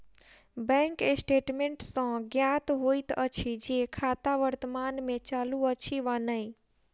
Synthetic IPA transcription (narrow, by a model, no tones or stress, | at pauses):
bɛ̃ŋkesʈeːʈmẽɳʈsãɡjaːt̪ɦoːit̪ət͡ʃʰid͡ʒikʰaːt̪aʋəɾt̪əmaːnmẽt͡ʃaːluət͡ʃʰiʋanəi